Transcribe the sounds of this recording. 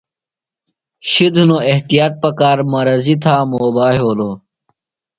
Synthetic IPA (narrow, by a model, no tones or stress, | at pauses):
ɕid̪unoeht̪ijaːt̪̚pɐkaːɾmɐɾɐzit̪ʰaːmoːbaːɦoːloː